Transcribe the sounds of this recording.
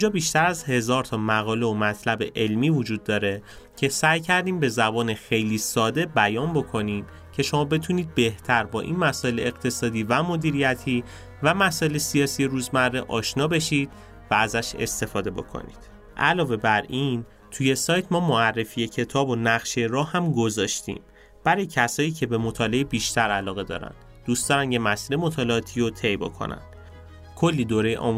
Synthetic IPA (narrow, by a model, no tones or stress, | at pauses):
ind͡ʒɒːbiːʃt̪æɾæzhe̞zɒːɾt̪ʰɒːmæɣɒːle̞omæt̪ʰlæbe̞ʔelmiːvod͡ʒuːd̪̚ːɒːɾe̞ | cʰe̞sæjcʰæɾd̪iːmbe̞zæbɒːnexe̞jliːsɒːd̪e̞bæjɒːnbo̞kʰo̞niːm | cʰe̞ʃo̞mɒːbe̞t̪ʰuniːd̪̚be̞ht̪ʰæɾbɒːʔḭːnmæsɒːʔe̞leeɣt̪ʰe̞sɒːd̪iːvæmo̞d̪iːɾijæt̪ʰiː | væmæsɔːe̞lesijɒːsije̞ɾuːzmærːeʔɒːʃnɒːbe̞ʃiːd̪̥ | vææzæʃe̞̰st̪e̞fɒːd̪e̞bo̞̰kʰo̰nḭd̪̥ | ʔælɒːve̞bæɾin | t̪ʰuje̞sɒːjt̪ʰmɒːmoærːe̞fije̞cʰe̞t̪ʰɒːbo̞næɣʃeɾɒːhhæmɡo̞zɒːʃt̪ḭːm | b̥æɾɒjecʰæsɒːiːcʰe̞be̞mo̞t̪ʰɒːle̞ebiːʃt̪ʰæɾælɒːɣe̞d̪ɒ̰ːɾæ̰nd̪̥ | d̪̥uːst̪ɒːɾænjemæsiːɾemo̞t̪ʰɒːleɒːt̪ʰijot̪ʰe̞jbo̞̰kʰo̞̰næ̰nd̪̥ | kʰolːid̪oːɾejḛʔɒ̰m